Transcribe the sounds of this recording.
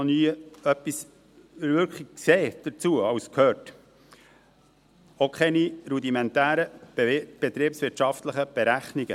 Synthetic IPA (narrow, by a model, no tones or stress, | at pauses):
onyːœpːis | əɾvʏɾkχiɡkseːd̥ət͡suəɑwskʰhøːt | okʰχɛniɾud̪imɛnt̪æːɾə̥b̥ɛt̪ɾiːpsʋɪtʃɑft̪ləχəb̥ɛɾæχniɡə